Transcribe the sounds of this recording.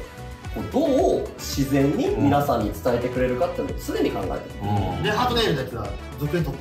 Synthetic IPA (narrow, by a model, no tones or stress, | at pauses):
kod̪o̞ːɕizẽ̞ɲ̟ːimʲinasãɲ̟ːit͡sɨ̥t̪ae̞t̪e̞kɯ̟ɾe̞ɾɯ̟kat̪ːeinosɨd̪e̞ɲ̟ikã̰ŋɡa̰et̪ed̪eɦat̪oneɾɯd̪akʲiβa̰ | zokɯent̪ot̪ː